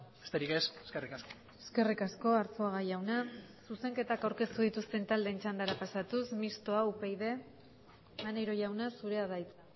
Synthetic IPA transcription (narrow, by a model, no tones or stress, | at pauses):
best̪eɾike̞se̥skerikasko | e̞ske̞rikasko̞aɾt͡so̞aɣaʝawnasuse̞ŋke̞t̪akawɾke̞st̪uð̞it̪ust̪e̞nt̪ald̪e̞ːnt͡ʃand̪aɾapasat̪usmist̪o̞aupejðe̞ | anejɾo̞ʝawnasuɾe̞aðajt͡sa